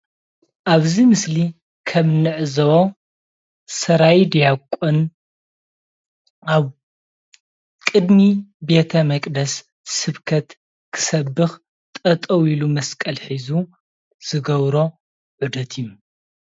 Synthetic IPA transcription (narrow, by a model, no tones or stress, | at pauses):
ʔaβzimɨsli | kʰɐmnɨʕzɐwo | sɐɾajd̪ijakʷʼːon | aβ | kʼɨd̪mibe̞t̪ʰɐmɐkʼd̪ɐs | sɨβkʰɐt̪ | kʰɨ̥sɐbːɨx | t̪ʼɐt̪ʼɐwilumɐskʼɐlħizu | z̥ɨɡɐβɾo̞ | ʕud̪ɐt̪ʰiju